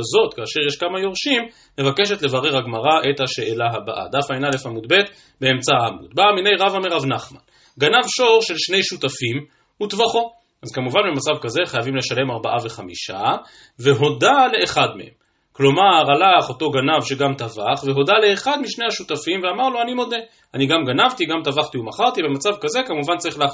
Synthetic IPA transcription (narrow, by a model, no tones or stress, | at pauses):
zo̞t̪kaːʃe̞ʁjeʃkamajo̞ʁʃimː | e̞vake̞ʃ̬e̞tle̞vaʁeʁhaɡmaʁaʔet̪haʃe̞ʔelaɦaba̰ʔa̰d̪afajnalefamudbe̞t̪ | beemt͡saamṵd̪̚bamine̞jʁavameʁavnaχma̰n | ɡanavʃo̞ʁʃe̞lʃne̞jʃutafim | utvaχo̞ | ʔazkamuvanbemat͡savkaze̞χajavimle̞ʃale̞maʁbaʔave̞χamiʃa | ve̞ɦo̞dale̞ʔeχad̪mḛhe̞̰m | klo̞maʁalaχo̞to̞ɡanavʃe̞ɡamt̪avaχveɦo̞dale̞ːχad̪miʃnejhaʃut̪afimveamaʁloanimo̞d̪e̞ | aniɡamɡanavt̪iɡamt̪avaχt̪iumaχaʁt̪ibe̞mat͡savkaze̞kamuvant͡saʁiχla